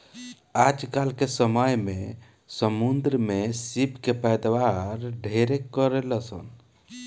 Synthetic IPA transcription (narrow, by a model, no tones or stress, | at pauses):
ad͡ʒkalkesəməjmẽ | səmund̪ɾəmesibkepɛjd̪ʋaɾɖʱeɾekːəɾeləsə̰n